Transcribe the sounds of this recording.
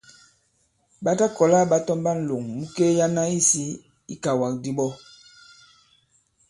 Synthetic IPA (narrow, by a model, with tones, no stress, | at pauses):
ɓa˦ta˦kɔ˨la˦˨ɓa˦tɔ˦mba˦n̩˨lo˨ŋmu˦ke˦ja˦na˦i˦si˦ | i˦ka˨wa˨k̚di˦ɓɔ˦